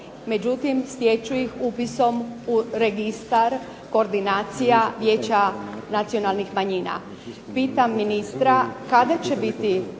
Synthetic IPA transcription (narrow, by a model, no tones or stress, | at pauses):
me̞d͡ʑut̪imsjet͡ʃuixupiso̞muɾe̞ɡist̪aɾ | ko̞ːɾd̪inaːt̪sijaʋje̞ːt͡ɕanat̪sio̞nalˠnixmaɲiːna̰ | piːt̪amːinist̪ɾakad̪at͡ɕebit̪i